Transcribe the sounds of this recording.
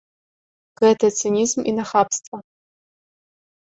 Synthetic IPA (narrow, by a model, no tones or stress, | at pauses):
ɡ̥ɐtʰɐt͡sʰionʲizmḭnaχaːpʰstʼɐ